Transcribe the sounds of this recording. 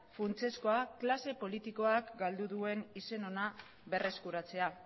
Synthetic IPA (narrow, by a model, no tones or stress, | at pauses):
funt͡se̞sko̞aklase̞po̞lit̪iko̞akɡald̪uðue̞nise̞no̞na | βe̞re̞skuɾat͡se̞a